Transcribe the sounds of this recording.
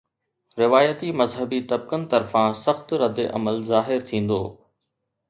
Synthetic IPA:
ɾɪʋaːjət̪imɐzɦəbit̪ɐb̚kənɪ̆t̪ɐɾfãsɐxt̪ɾɐd̪eʔɐ̰məlzaːɦɪɾt̪ʰĩːn̆d̪oː

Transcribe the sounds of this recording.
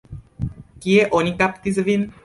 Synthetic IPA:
kijeʔoɲikapt̪izʋin

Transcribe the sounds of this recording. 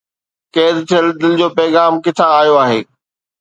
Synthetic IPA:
keːd̪t̪ʰɪəld̪ɪlɪd͡ʑoːpɛːɣaːmkɪt̪ʰaːjoaːɦeː

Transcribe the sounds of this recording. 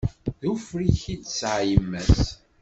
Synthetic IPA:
ðufɾiçidsʕjəmːæs

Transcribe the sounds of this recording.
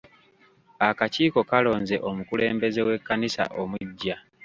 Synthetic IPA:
akaciːko̞kalo̞ːnze̞ʔo̞mukule̞̰ːmbe̞ze̞we̞kːanisa̰ʔomwuɟːa

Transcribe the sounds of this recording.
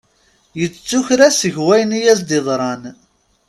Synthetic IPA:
jət͡st͡sːuçɾæsəʝwæjnijæsd̪ɪðˤɾˤɑn

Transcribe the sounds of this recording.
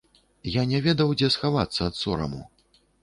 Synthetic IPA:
janʲɛvʲɛd̪ɐwd͡zʲɛsxavat̪sːɐːt̪sɔɾɐ̰mṵ

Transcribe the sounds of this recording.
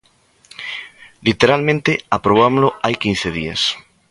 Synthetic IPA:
lit̪eɾalmẽnt̪eapɾoβ̞amolʊajkinθeðia̰s

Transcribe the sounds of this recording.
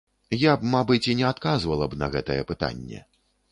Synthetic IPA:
jap̚mabɨt͡sʲinʲɛat̪kazvɐlˠɐbnɐɣɛt̪ɐjɛpɨt̪a̰nʲːɛ̰

